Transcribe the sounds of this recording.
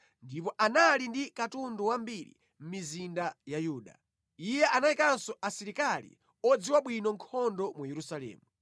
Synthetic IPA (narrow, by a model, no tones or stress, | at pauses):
ndip̬ɔʔanalindikatunduwambiɾḭ | m̩mizindajajuːɗa̰ | ijɛʔanaikansɔʔasiɾikalḭ | ɔd͡ziwaɓwinɔŋkʰɔndɔmujɛɾusalɛ̰ːmu